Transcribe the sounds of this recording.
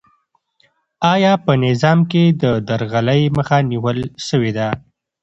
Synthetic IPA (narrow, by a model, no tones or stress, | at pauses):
ɑjɑpənɪzɑmked̪əd̪aɾɣaləjməxaniwəlʃəwed̪a